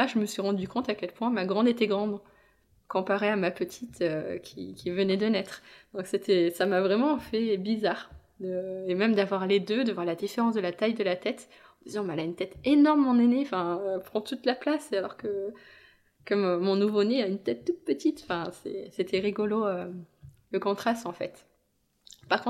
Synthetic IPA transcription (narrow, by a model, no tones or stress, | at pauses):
aʒəməsɥiʁɑ̃d̪ykɔ̃t̪akʲɛlpwɛ̃maɡʁɑ̃d̪et̪ɛɡʁɑ̃d̪ | kɔ̃paʁeamapət̪ʰit̪økʲḭkʲivənɛd̪ənɛt̪χd̪ɔ̃kset̪ɛsamavʁɛmɑ̃fɛbizaʁ | d̪əemɛmd̪avwaʁled̪ød̪əvwaʁlad̪ifeʁɑ̃sd̪əlat̪ajd̪əlat̪ɛt̪ | ɑ̃d̪izɑ̃malaynt̪ɛt̪enɔʁmmɑ̃neneɑ̃fɛ̃øpχɑ̃t̪ut̪laplasalɔʁkə | kəmmɔ̃nuvoneaynt̪ɛt̪ːut̪̚pət̪it̪ɑ̃fɛ̃sɛ̰set̪ʰɛʁiɡɔloø | ləkɔ̃t̪χast̪ɑ̃fɛ̰t̪ | paʁkɔ̃